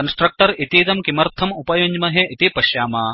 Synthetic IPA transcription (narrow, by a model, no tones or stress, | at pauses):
kɐnsʈɾɐk̚ʈɐɾit̪iːt̪ɐmkimɐɾt̪ʰɐmupɐjoɲd͡ʒmɐɦeʔit̪ipɐʃjaːmaː